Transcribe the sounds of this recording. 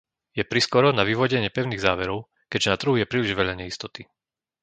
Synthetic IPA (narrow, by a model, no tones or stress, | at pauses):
jɛpɾiskɔɾɔnaʋiʋɔɟɛɲɪɛpɛʊniːɣzaːʋɛɾɔʊ | kɛd͡ʒɛnat̪r̩ɦujɛpɾiːliʒʋɛʎaɲɛist̪ɔt̪i